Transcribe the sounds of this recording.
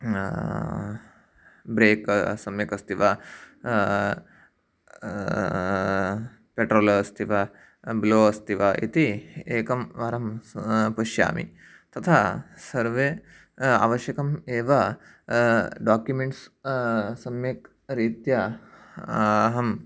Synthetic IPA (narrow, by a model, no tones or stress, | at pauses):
bɾeːksɐmjɐkɐst̪iʋɐ | peʈɾoːlst̪ʰiʋɐ | bloːɐst̪iʋɐʔḭt̪ieːkɐmʋɐɾɐmpɐʃja̰ːmḭ | t̪ɐt̪ʰasɐɾʋe | a̰ːʋɐʃjɐkɐmeːʋɐ | ɖaːkjumeɳʈs | sɐmjɐk | ɾiːt̪jɐ | ɦɐm